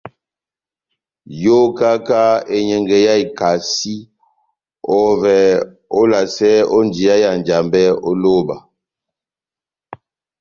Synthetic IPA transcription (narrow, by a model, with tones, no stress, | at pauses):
jo˦ka˦ka˦e˦ɲɛ˨ŋɡɛ˨ja˦i˨ka˨si˦ | ɔ˦vɛ˨ | o˦la˨sɛ˦ɔ˦nd͡ʒi˨a˦ja˨n˨d͡ʒa˨mbɛ˦o˦lo˦˨ba˨